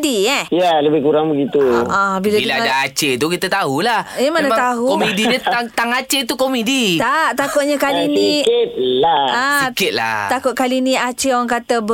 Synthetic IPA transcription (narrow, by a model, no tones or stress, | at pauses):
diɛjaləbɪhkuɾaŋbəɡit̪uʔãbilailaadaat͡ʃet̪ukit̪at̪aɦulahemanat̪aɦukomedinaaŋt̪aŋat͡ʃet̪ukomedit̪aʔt̪akʊt̪̚ɲakalinit̪laasikɪt̪̚la̰t̪akʊt̪̚kalinĩʔat͡ʃeoɣaŋkat̪əb